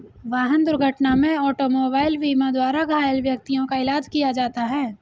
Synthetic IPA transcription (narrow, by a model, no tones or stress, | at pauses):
ʋaːɦənd̪ʊɾɡʱəʈnamẽɔːʈomoːbaːɪlʋiːmãd̪waːɾaɡʱaːjəlʋjɐk̚t̪ijõkaɪlaːd͡ʒkijad͡ʒaːt̪aɦɛː